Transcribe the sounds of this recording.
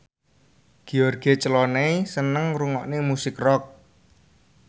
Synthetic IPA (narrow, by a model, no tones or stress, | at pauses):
ɡ̥iɔrɡ̥e̤t͡ʃəlɔnɛjsənəŋɾuŋɔʔnemusɪkrɔk̚